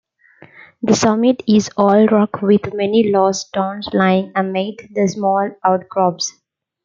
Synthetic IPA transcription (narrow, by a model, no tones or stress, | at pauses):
d̪əsʌmɪʈɪzɔːlɾɔkʋɪd̪mɛnilɔːsʈõːnslaɪɪ̃ŋæ̃nmeːʈd̪əsmɔːlaʊʈ̚ɡɾɔːps